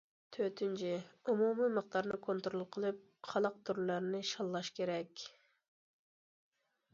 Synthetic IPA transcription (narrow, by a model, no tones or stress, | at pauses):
t̪ʰøt̪ʰynt͡ʃʰiumumɨməχt̪ɑɾnɨkʰont̪ɾolˠqʰəlˠɨp̚χʰɑlˠəq̚t̪uɾlɑɾnɪʃɑlˠːɑʃkʲeɾɛkʲ